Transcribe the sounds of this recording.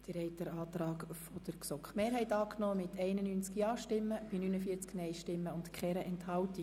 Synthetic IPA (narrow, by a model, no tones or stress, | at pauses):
d̥əɾɛɪt̪əɾɑːt̪ɾɑːkfɔd̥̪əɾksɔkχmeːɾɦhɛjt̪ɑːknɔːmɪt̪ʰɛɪnənyːnt͡skjɑːʃtɪmːəb̥inyːnəfiət͡sknɛɪjʃtɪmːəʊntkχɛɾəʔɛnthɑlti